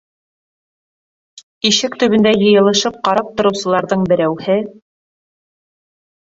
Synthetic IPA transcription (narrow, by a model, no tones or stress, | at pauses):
iʃɘkt̪ɵ̆βɵ̆nd̪æjɤ̆jɤ̆lˠɤ̆ʃɤp̚qɑɾɑp̚t̪ŏɾɤ̆wsɤ̆lˠɑɾðɤɴbɘ̆ɾæwhɘ